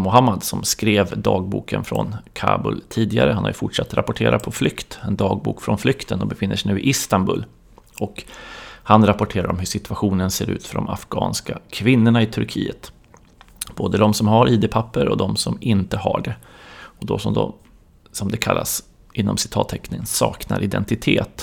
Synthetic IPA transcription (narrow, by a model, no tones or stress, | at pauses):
mʊɦamːad̪sɔmskɾeːvd̪ɑːɡ̚bṵːkənfɾɔ̰nkʰɑ̰ːbʊ̰lt̪ʰiːd̪ɪɡa̰ɾəhanha̰jɵfʊʈʂat̪ːɾapɔʈʰeːɾʔat̪̚pʰɔflʏkt̪ɛnd̪ɑːɡ̚bṵːkfɾɔnflʏkt̪ʰənɔbɛfɪnːəʂɛɪnʉ̟ːɪʔɪst̪anbɵl | ɔkhanɾapɔʈʰeːɾaɾɔmɦɵʂɪt̪ʰɵaɧuːnənseːɾʔʉ̟ːt̪fœɖɔmafɡ̥ɑ̰ːnskakʰvɪnːʊɳaɪt̪ʰɵɾkʰiːət̪ | b̥oːd̪əd̪ɔmsɔmhaɾʔiːd̪ɛpʰapːəɾɔd̪ɔmsɔmɪnt̪əhaɖɛɔd̪ɔsɔmd̪ɔ | sɔmd̪ɛkʰalːa̰s | ʔɪnːɔmsɪ̥t̪ʰɑːt̪ʰːɛknɪənsɑːkna̰ɾʔɪd̪ɛnt̪ɪt̪ʰeːt̪